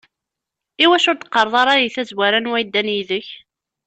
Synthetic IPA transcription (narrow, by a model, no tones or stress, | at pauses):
iwæʃʊɾt̪ə̥qːəɾˤðˤɑɾˤɑjiθæzwæɾænwæjd̪ːænjiðəç